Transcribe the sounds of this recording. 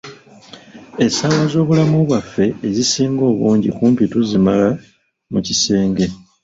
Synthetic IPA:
e̞sawazo̞ːβulamuβwafːe̞ːzisiːŋɡo̞ːβuːɲɟḭkuːmpituzimala | mucise̞ːŋɡe̞

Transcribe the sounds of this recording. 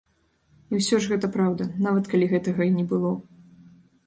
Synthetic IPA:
iwsʲɔʐɣɛt̪ɐpɾawd̪ɐnavɐt̪kalʲiɣɛt̪ɐɣɐinʲɛbɨlˠɔ

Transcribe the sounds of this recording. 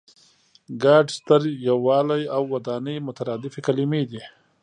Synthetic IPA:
ɡɑɖst̪əɾjawːɑːlajawːad̪ɑnəjmʊt̪aɾɑːd̪ɪfekalɪmed̪i

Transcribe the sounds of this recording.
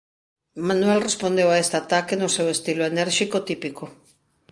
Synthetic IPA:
manwelrespond̪ewaest̪eat̪akenosewest̪iloeneɾʃikot̪ipiko

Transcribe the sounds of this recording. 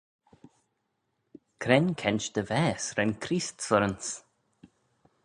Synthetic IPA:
kʰɾɛnkʰɛnʲt͡ʃd̪̥əvɛːsɾɛnkʰɾiːst̪sɔɾəns

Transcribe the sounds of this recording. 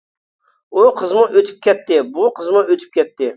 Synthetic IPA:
ʊqʰəzmʊʔøt̪ʰɪ̥p̚kʲʰɛt̪ːɪbʊqʰəzmʊøt̪ʰɪ̥p̚kʲɛt̪ːɪ

